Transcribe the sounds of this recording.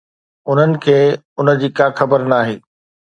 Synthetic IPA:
ʊn̤ənɪ̆kʰeː | ʊnə̆d͡ʑiːkaːxɐbəɾnaːɦeː

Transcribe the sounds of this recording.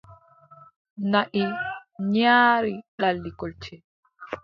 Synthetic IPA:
naʔiɲaːɾiɗalːikɔlt͡ʃɛ

